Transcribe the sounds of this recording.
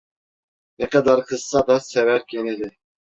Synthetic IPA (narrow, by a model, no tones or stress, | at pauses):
nɛqɛd̪ɑɾχɨz̥sɑd̪ɑsɛvæɾkʰʲenɪlɪ